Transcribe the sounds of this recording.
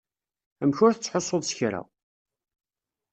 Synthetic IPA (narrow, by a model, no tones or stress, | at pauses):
æmçʊɾθət͡sːħosˤːoðˤsəçɾæ̰